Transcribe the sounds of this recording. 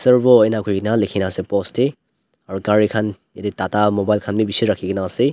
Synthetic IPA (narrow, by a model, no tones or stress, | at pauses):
seɾbɔjnakʰojinalekʰinasepɔste | aɾukaɾikʰan | editatamɔbajlkʰanmibisiɾakʰiɡinase